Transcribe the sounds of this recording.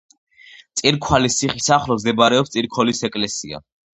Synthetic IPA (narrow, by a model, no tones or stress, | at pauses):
t̪sʼiɾkʰwalist̪sʰiχisaχlɔzd̪ɛbaɾɛɔpst̪sʼiɾkʰwɔlisɛkʼlɛsia̰